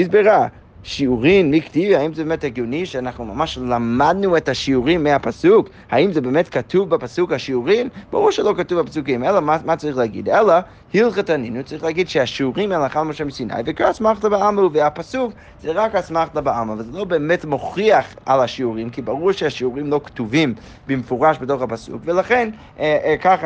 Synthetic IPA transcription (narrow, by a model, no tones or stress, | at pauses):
izbeʁa | ʃiuʁimmiktivihaimzɛbemɛthɛɡjoniʃeanaχnumamaʃlamad̚nuethaʃiuʁimːeapasuk | haimzɛbeːmɛtkatʰuvbapasukhaʃiuʁimb̥a̰ʁuʁʃɛlokatuvapasukimɛlamamat͡saʁiχleaɡḭdɛla | hilχetaninut͡saʁiχleaɡid̥ʃeaʃiuʁimelaχalmoʃemisina̰jvekaasmaχtabaamauveapasuk | z̥eʁakhasmaχtabaamavalzelo̞beːmetmoχiaχʔalaʃiuʁimkibaʁuʁʃeaʃiuʁimlo̞ktuvim | bemefuʁaʃbetoχapasṵkvelaχen | kaχ